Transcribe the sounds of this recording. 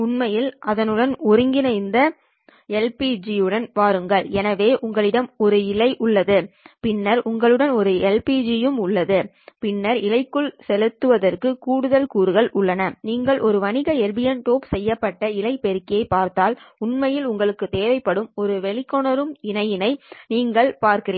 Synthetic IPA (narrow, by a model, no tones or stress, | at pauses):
ʊnmɐjɪlʔɐðɐnɯɽɐnɔɾɯŋɡɪnɐɪnd̪ɐ | ɛlpiːd͡ʒijɯɽɐnʋaːɾɯŋɡɐɭɛnɐʋeːʔʊŋɡɐɭɪɽɐmɔɾɯɪlɐɪʔʊɭːɐðɯpɪnːɐɾʊŋɡɐɭɯɽɐnɔɾɯɛlpiːd͡ʒɪjɯmʊɭːɐðɯ | pɪnːɐɾɪlɐɪkːɯɭsɛlɯt̪ːɯʋɐðɐrkɯkuːɽɯðɐlkuːɾɯɣɐɭʔʊɭːɐnɐniːŋɡɐɭʔɔɾɯʋɐnɪɣɐɛɾbɪjɐnʈ̪oːpsɛjːɐpːɐʈːɐɪlɐɪpɛɾɯkːɪjɐɪpːaːɾt̪aːlʊnmɐjɪlʊŋɡɐɭɯkːɯt̪eːʋɐɪpːɐɽɯmɔɾɯʋɛɭɪkːɔɳɐɾɯmɪnɐjɪnɐɪniːŋɡɐɭpaːɾkɪɾeː